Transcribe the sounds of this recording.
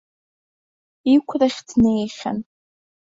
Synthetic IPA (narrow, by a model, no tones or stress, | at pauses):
ikʷʰraχʲdʰnejχʲa̰n